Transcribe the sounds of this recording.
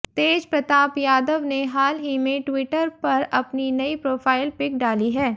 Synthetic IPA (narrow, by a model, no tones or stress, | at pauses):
t̪eːd͡ʒpɾɐt̪aːpjaːd̪əʋneɦaːlɦimẽʈwɪʈəɾpɐɾɐpninɐipɾoːfʰaːɪlpɪk̚ɖaːliɦɛː